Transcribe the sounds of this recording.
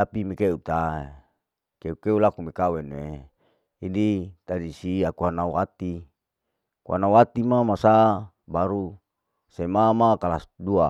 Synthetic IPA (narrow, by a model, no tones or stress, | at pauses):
t̪apimikeut̪ae | keukeulakumikaweneː | dit̪adisiakuanauwat̪i | kua̰nauwat̪imamasa | baɾu | semamakalasdua